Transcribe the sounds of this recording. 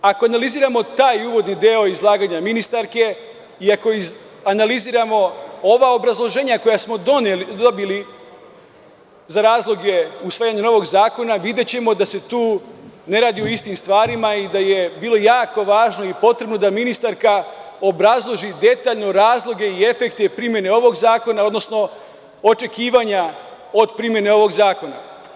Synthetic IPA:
ako̞analiziːɾamo̞t̪aːjuːʋo̞d̪nid̪eo̞izlˠaːɡaːɲaminist̪aɾke̞ | iako̞i | analiziːɾamo̞oʋao̞bɾazlˠo̞ʒe̞ːɲako̞jasmo̞d̪o̞neld̪obili | zaɾaːzlˠo̞ɡe̞usʋaːjaɲeno̞ʋo̞ɡzaːko̞naʋid̪e̞t͡ɕe̞mo̞d̪ase̞t̪uːne̞ɾaːd̪ioist̪imst̪ʋaːɾimaid̪aje̞biːlˠo̞jaːko̞ʋaːʒno̞ipo̞t̪ɾe̞bno̞d̪aminist̪aɾka | o̞bɾazlˠo̞ʒid̪e̞t̪aːʎno̞ɾaːzlˠo̞ɡe̞ie̞fe̞kt̪e̞pɾimje̞neo̞ʋo̞ɡzaːko̞nao̞d̪no̞sno̞ | o̞t͡ʃe̞kiːʋaɲa | o̞d̪pɾimje̞neo̞ʋo̞ɡzaːko̞na̰

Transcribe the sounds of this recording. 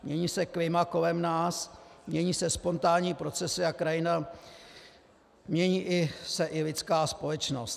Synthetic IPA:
mɲɛɲiːsɛklɪmako̞lɛmnaːsmɲɛɲiːsɛspo̞nt̪aːɲiːpɾo̞t͡sɛsɪakɾajɪna | mɲɛɲiːʔɪsɛʔɪlɪt͡skaːspo̞lɛt͡ʃno̞st̪

